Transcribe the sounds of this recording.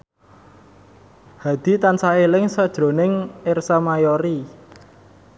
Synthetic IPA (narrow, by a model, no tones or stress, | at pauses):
had̪̥i̤t̪ansaelɪŋsəd̥ʒ̥ɾo̤nɪŋɪrsamajɔɾi